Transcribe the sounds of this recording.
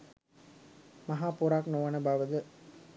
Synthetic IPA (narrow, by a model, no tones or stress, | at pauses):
maɦaːpuɾaknoʋənəbaʋəd̪ə